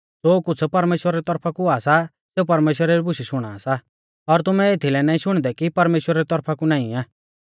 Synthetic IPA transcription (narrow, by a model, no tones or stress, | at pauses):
d͡zoːkʊt͡sʰpɐɾmeːʃwəɾaɾit̪ɔɾpʰakuaːsa | seupɐɾmeːʃwəɾɛɾibʊʃiʃʊɽ̃aːsa | ɔɾt̪ʊmɛet̪ʰilɛnaːĩʃʊɽ̃d̪ɛkipɐɾmeːʃwəɾaɾit̪ɔɾpʰakunãːĩaː